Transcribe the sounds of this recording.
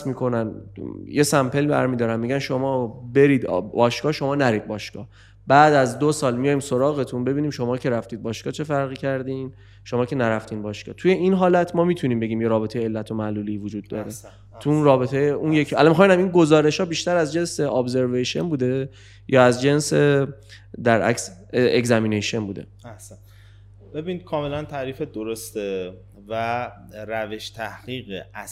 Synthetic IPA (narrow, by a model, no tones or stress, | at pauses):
smiːkʰo̞nænje̞sæmpʰe̞lbæ̰ɾmiːd̪ɒːɾæmmːiɟænʃo̞mɒːbe̞ɾiːd̪bɒːʃkɒːʃo̞mɒːnæɾiːd̪̚bɒːʃkɒ̰ː | b̥æːd̪æzd̪osɒːlmijɒjmsoɾɒːɣe̞t̪ʰunbe̞biːniːmʃo̞mɒːcʰe̞ɾæft̪iːd̪̚bɒːʃkɒːt͡ʃʰe̞fæɾɣiːcʰæɾd̪iːn | ʃo̞mɒːcʰe̞næɾæft̪iːnbɒːʃkɒ̰ːt̪ʰuje̞ʔinɦɒːlæt̪ʰmɒːmit̪ʰuniːmbe̞ɟʲiːmje̞ɾɒːbe̞t̪ʰe̞jeːlːæt̪ʰo̞mæʔluːliːvod͡ʒuːd̪ːɒːɾe̞ | t̪ʰuunɾɒːbe̞t̪ʰejeʔunjecʰæ̰lɒmixɒminæminɡo̞zɒːɾe̞ʃhɒːbiːʃt̪æɾæzd͡ʒe̞nse̞ʔɒbze̞ɾveʃenbuːd̪e | jʔɒːæzd͡ʒe̞nse | d̪æɾʔæ̰ksekzæmineʃonbuːd̪e̞̰ | æhsæn | b̥ebiːnid̪̚kʰɒːmelænt̪ʰæɾiːfed̪oɾost̪e | væ | ɾæveʃt̪ʰæhɣ̥iːɣeæ